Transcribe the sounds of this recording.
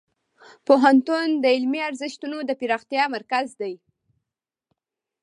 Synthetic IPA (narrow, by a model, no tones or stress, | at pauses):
poɦant̪und̪əɪlmiaɾzɪʃt̪unod̪əpiɾɑxt̪jɑmaɾkazd̪aj